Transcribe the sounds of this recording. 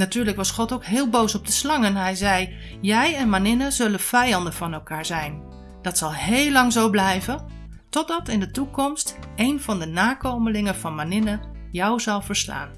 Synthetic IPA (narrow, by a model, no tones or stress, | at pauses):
natyːɹləkʋɑsχɔtowkɦɪːlˠbowsɔb̚dəslɑŋənɦɛjzɛj | jɛjɛnmanɪnəzɵlənv̥ɛjɑndənvɑnɛlˠkaːɹzɛjn | d̥ɑtsɑlˠhejlːɑŋzowblɛjvən | tɔd̚ɑtɪndətukɔmstejnvɑndənaːkowməlɪŋəv̥ɑnmanɪnə | jɔwzɑlˠvəɹsla̰ːn